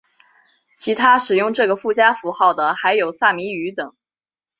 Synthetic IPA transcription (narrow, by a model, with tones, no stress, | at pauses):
t͡ɕʰi˧˥t̪ʰa˥ʂɻ̩˨˩jʊ˥˧ŋʈ͡ʂɤ˥˩ɡə˩fu˥˩t͡ɕja˥fu˧˥xɑ˥˩ʊd̪ə˩xa˧˥ɪjo˨˩ʊsa˥˩mi˧˥y˧˥t̪ɤ˨˩˦ŋ